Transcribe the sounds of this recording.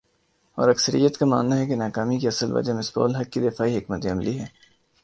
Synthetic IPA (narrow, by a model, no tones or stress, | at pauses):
ɔ̰ːɾɐksəɾḭjət̪kama̰ːnːaɦɛkenaːkaːmikiɐsəlʋɐ̰d͡ʒamɪsbɔ̰ːlɦɐkːid̪ɪfaːiɦɪkmət̪iɐmliɦɛː